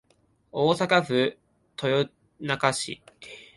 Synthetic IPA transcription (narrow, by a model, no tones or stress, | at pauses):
oːsakaɸɯ̟ | t̪ʰojo | nakaɕḭ